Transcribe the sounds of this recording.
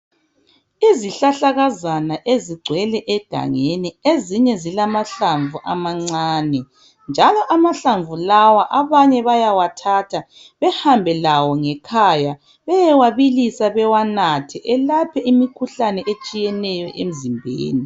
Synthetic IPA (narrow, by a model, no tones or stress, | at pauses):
iziɬaɬaɣazanaʔeziɡ͡ǀʱwɛlɛʔɛɡ̥ʱa̰ŋenieziɲɛzilamaɬaɱvuʔamaŋ͡ǀaːnɛ | nd͡ʒʱalɔʔamaɬaɱvulawaʔaβaɲɛβajawatʰatʰa | βɛhambʱɛlawɔŋɛkʰaja | βɛjɛwaβilisaβɛwanatʰɛʔɛlapʰɛimikʰuɬanɛʔet͡ʃʼijɛnɛjɔʔem̩zimbʱḛːni